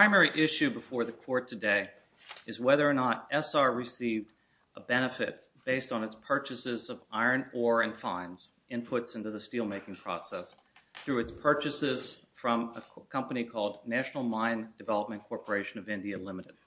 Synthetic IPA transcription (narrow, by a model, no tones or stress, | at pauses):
pʰɹãɪ̃mɛɹiʔɪʃʉbəfɔɹðɨkʰɔɹtʰɨdeɪ | ɨzwɛðə˞ːnəɾʔɛsɑɹɹɨsivd | ʔəbɛñɨfɪ̰t̚ | b̥eɪstn̩ɨtspʰɜ˞t͡ʃɨsɪzʌva̰ɪə̃˞nɔɹɨ̃nfãɪ̃nz̥ | ɪ̃npʰʊtsɪ̃ntʉðɨstilˠmeɪkɪ̃ŋpʰɹ̥ɔ̰sɛs | θɹʉɨtspʰɜ˞t͡ʃɨsɪz̥fɹʌ̃məkʰʌ̃mpənikʰɔlˠdⁿnæʃnl̩ˠmãɪ̃nd̥ɨvɛlˠəp̚mɨ̃nkʰɔɹpə˞eɪʃɨ̃nʌvɪ̃ndiɨlɪ̃mɨɾɨd̥̚